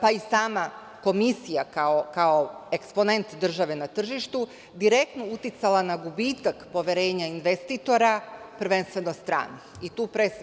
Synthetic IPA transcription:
paisaːma | ko̞misijakaokao̞e̞kspo̞ne̞nt̪d̪r̩ʒaʋe̞nat̪r̩ʒiʃt̪u | d̪iɾe̞k̚t̪nout̪it̪salanaɡubiːt̪akpo̞ʋjeɾe̞ːɲainʋest̪it̪o̞ɾapr̩ʋe̞nst̪ʋe̞nost̪ɾa̰ːnixit̪uːpɾes

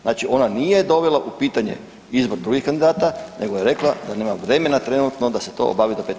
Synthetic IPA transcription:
znaːt͡ʃiʔo̞nanije̞d̪o̞ʋe̞laʔupiːt̪aɲe̞̰ | izbo̞ɾd̪ɾuɡihkand̪id̪aːt̪anʔe̞ɡojeɾe̞klˠad̪aneːmaʋɾe̞me̞nat̪ɾe̞nut̪no̞d̪aset̪o̰o̰baːʋid̪opet̪

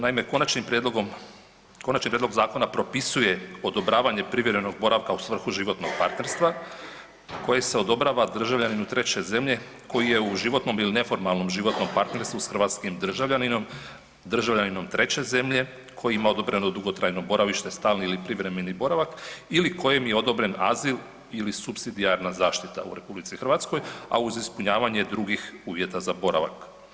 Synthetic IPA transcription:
naime̞konat͡ʃnimpɾed̪loɡom | konat͡ʃnipɾed̪lɡzaːko̞napɾo̞pisuje̞o̞d̪o̞bɾaːʋaɲe̞pɾiʋjeɾeno̞ɡ̚bo̞ɾaʋkausʋr̩xuʒiʋo̞t̪no̞ɡ̥̚paɾt̪neɾst̪ʋa | ko̞jese̞o̞d̪o̞bɾaʋad̪r̩ʒaʋʎʲaninut̪ɾe̞t͡ɕe̞ze̞mʎe̞ko̞jije̞uʒiʋo̞t̪no̞miline̞fo̞ɾmalˠno̞mʒiʋo̞t̪no̞mpaɾt̪ne̞ɾst̪ʋusxr̩ʋat̪skimd̪r̩ʒaʋʎʲanino̞m | d̪r̩ʒaʋʎanino̞mt̪ɾʔe̞t͡ɕe̞ze̞mʎe̞ | kʰo̞jiimao̞d̪o̞bɾe̞nod̪uɡot̪ɾajno̞bo̞ɾaʋiʃt̪e̞st̪aːlniilipɾiʋɾe̞menibo̞ɾaʋakiliko̞jemje̞o̞d̪o̞bɾe̞na̰zilˠ | ilisupsid̪iaɾnazaːʃt̪it̪a̰ṵɾe̞publit̪sixrʋat̪sko̞ja̰uzispuɲaːʋaɲe̞d̪ɾuɡixuːʋje̞t̪azabo̞ɾa̰ʋa̰k

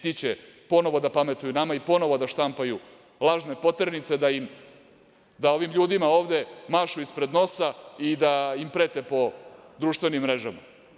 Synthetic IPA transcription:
t̪it͡ɕepo̞no̞ʋo̞d̪apame̞t̪ujunamaipo̞no̞ʋo̞d̪aʃt̪ampaju | lˠaːʒne̞po̞t̪ɾnit̪se̞d̪aim | d̪ao̞ʋimʎuːd̪imao̞ːʋd̪e̞maʃuispɾe̞d̪no̞said̪aimpɾe̞ːt̪e̞po̞d̪ɾuːʃt̪ʋe̞nimːɾe̞ʒama̰

